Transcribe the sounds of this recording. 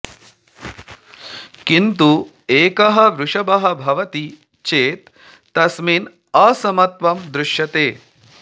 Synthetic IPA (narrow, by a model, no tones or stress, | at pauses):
kint̪u | eːkɐɦɐ̆ʋɾuʂɐbɐɦɐbʱɐʋɐt̪i | t͡ʃeːt̪ː | ɐsmin | ɐsɐmɐt̪ʋɐmd̪ɾuʃjɐt̪eː